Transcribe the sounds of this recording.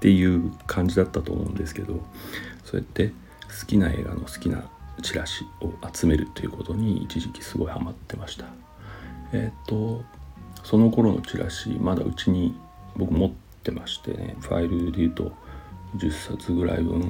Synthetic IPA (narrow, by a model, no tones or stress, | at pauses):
t̪e̞jɯ̟ːkʰãɲ̟d͡ʑid̪at̪ːat̪o̞ːmoɯ̃nd̪e̞sɨ̥ke̞d̪o̞so̞ḛt̪ːe̞ | sɨ̥kʲinae̞̰ːɡa̰no̞sɨ̥kʲina̰t͡ɕiɾaɕi̥o̞at͡sɨme̞ɾɯ̟t̪ːe̞jiɯ̟ko̞t̪o̞ɲ̟iit͡ɕiʑikʲi̥sɨɡo̞ihamat̪ːe̞maɕi̥t̪ʰḁ | et̪ːo̞ | so̞no̞ko̞ɾo̞no̞̰t͡ɕiɾa̰ɕimad̪a̰ɯ̟t͡ɕiɲ̟i | bo̞kɯ̟mo̞t̪ːe̞maɕi̥t̪e̞̰nḛɸa̰iɾɯ̟d̪e̞jɯ̟ːt̪o̞d͡ʑɨsːat͡sɨɡɯ̟ɾa̰io̰n